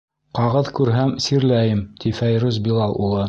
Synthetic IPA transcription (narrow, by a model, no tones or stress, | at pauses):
qɑʁɤðkʉɾɦæmsiɾlæjɘmt̪ifæjɾʉzbʲilˠɑlˠulˠɤ